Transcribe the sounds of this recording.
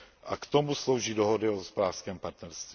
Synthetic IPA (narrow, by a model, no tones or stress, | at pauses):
ʔakt̪o̞muslo̞wʒiːdoɦodɪoospodaːskɛːmpaɾt̪nɛɾst̪vi